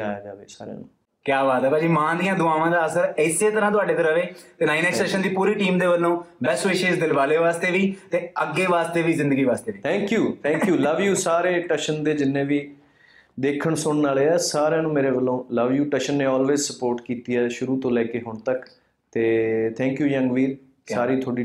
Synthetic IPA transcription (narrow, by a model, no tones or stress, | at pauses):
aːjaːd͡ʒaːʋḛːsa̰ːɾã̰ːnũː | kjaːʋaːt̪ɛːpaːd͡ʒiːmãːd̪ijãːd̪ʊaːʋãːd̪aːəsəɾɪseːt̪əɾãːt̪̬ʊaːɖeːt̪əɾəʋeːt̪eːnaːinɛːksɛːʃənd̪iːpuːɾiːʈiːmd̪eːʋəlːõːbɛːsʋeːʃesd̪ɪlʋaːleːʋaːst̪eːʋiːt̪eːəɡːeːʋaːst̪eːʋiːzɪnd̪əɡiːʋaːst̪eːiːt̪ʰɛ̃ːŋkjuːt̪ʰɛ̃ːŋkjuːləʋjuːsaːɾeːʈəʃənd̪eːd͡ʒɪnːẽːʋiː | d̪eːkʰəɳsʊɳnaːleːɛːsaːɾãːnũːmeːɾeːʋəlːõːləʋjuːʈɛʃənːẽːɔːlʋeːzsəpoːɾʈkiːt̪iːɛːʃʊɾũːt̪õːlɛːkeːɦʊɳt̪ək | t̪eːt̪ʰɛ̃ːŋkjuːjə̃ŋɡʋiːɾ | saːɾiːt̪ʰoːɽiː